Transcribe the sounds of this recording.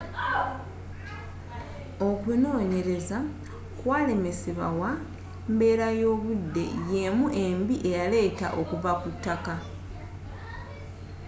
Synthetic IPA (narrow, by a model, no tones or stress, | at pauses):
o̞kweno̞ːɲe̞ɾe̞za | kwaːle̞me̞siβa̰wa | mbe̞ːɾajo̞ːβudːe̞̰je̞muʔe̞mbiʔe̞jale̞ːta̰ʔo̞kuvakutːaka